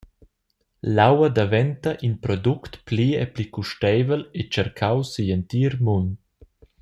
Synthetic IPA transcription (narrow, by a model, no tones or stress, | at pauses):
lawad̪avɛnt̪aʔinpɾɔd̪ukt̪plieplikuʃtɛjvəlet͡ʃɛɾkʰawsijənt̪iɾmun